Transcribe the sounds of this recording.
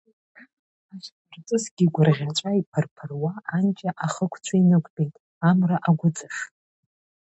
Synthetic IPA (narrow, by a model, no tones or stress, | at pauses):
aʃ | rt͡sʼɨsɡ̥ʲiɡʷʊrʁʲat͡ʃʷʼaipʰɨrpʰɨrwaːnt͡ʃʼaʔaχəkʷʰt͡ɕʷʰainɨkʷʼbʼejtʼ | amraʔaɡʷʊt͡sʼɨʂ